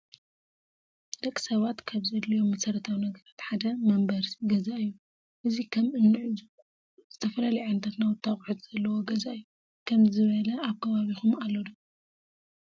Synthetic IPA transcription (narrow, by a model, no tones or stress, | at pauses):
d̪̥ɐkʼsɐβat̪kʰaβzɐd̪lijo̞mːɐsɐɾɐt̪ʰawinɐɡɐɾat̪ħad̪ɐmɐmbɐɾsɡɐzaɨjːu | ʔɨzikʰɐmɨnːɨʕzu | z̥ɨt̪ʰɐfɐlalɐjʕɨnt̪ʰat̪nawɨt̪ʰːaχʼħut̪z̥ɐlːɐwoɡɐzaʔɨjːu | kʰɐmzɨβɐlɐaβkʰɐβaβixumalːod̪ɐ